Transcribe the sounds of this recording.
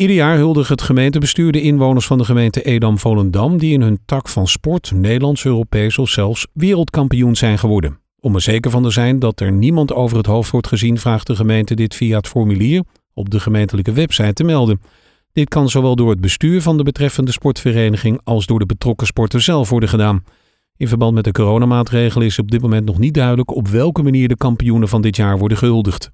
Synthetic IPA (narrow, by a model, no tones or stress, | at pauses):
idəɹjaːɹɦɵlˠdəχɦətχəmejntəbəstyːɹdəɪnʋownəɹsfɑndəχəmejntəʔedɑmvoləndɑmdiɪnɦɵntɑkfɑnspɔɹtnejdəlɑntsøːropejsɔfsɛlˠfsʋɪːrəlˠtkɑmpijunz̥ɛjnχəʋɔɹdən | ɔməz̥ejkəɹvɑntəzɛjndɑtɛɹnimɑntowvərɦətɦowftʋɔɹtχəzinvraːχdəχəmejntədɪtfiaɦətfɔɹmyliːr | ɔb̚dəχəmejntələkəʋɛpsɑjtəmɛlˠdən | d̥ɪt̚kɑnzowʋɛlˠdʊːɹɦəd̚bəstyːɹvɑndəbətrɛfəndəspɔɹtfərejnəχɪŋɑlˠzdʊːɹdəbətrɔkəspɔɹtənzɛlˠfʋɔɹdəχədaːn | ɪnvəɹbɑntmɛtdəkoːrownamaːtrejχələɪsətɔb̚dɪt̚mowmɛntnɔχnit̚dœɥdələkɔpʋɛlˠkəmaniːɹdəkɑmpijunənvɑndɪtjaːɹʋɔɹdəχəɦɵlˠdəχt